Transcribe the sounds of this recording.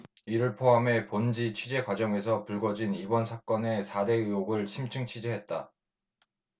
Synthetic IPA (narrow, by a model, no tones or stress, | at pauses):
iɾɯɭpʰoɦame̞pond͡ʑit͡ɕʰɥid͡ʑe̞kwad͡ʑʌŋe̞s̬ʰʌpuɭɡʌd͡ʑinibʌnsʰak͈ʌne̞sʰade̞ɯjoɡɯɭɕʰimt͡ɕʰɯŋt͡ɕʰɥid͡ʑeɦe̞t̚t͈a̰